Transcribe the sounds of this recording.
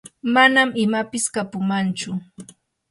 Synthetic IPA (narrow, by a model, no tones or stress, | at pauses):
manamɪmapɪskapʊmant͡ʃʊ